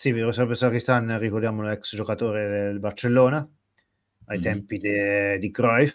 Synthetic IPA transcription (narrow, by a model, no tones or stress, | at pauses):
siviɾosabesakist̪anrikoɾrd̪jaːmolɛksd͡ʒokat̪oːɾed̪elbart͡ʃelːoːna | ajt̪ɛmpid̪ed̪iɡɾɔjf